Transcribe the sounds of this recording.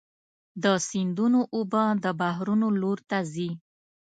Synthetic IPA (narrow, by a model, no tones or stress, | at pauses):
d̪əsind̪unoʔobəd̪əbaɦɾunoloɾt̪azi